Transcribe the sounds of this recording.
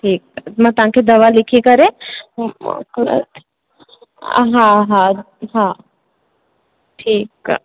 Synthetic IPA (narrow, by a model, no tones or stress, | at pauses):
ʈʰiːk̪̚mɐ̃t̪ʊãkʰed̪ɐʋalɪkʰikɐɾḛ̃ | kl̰t̪ | ɦãɦã | ɦã | ʈʰiːk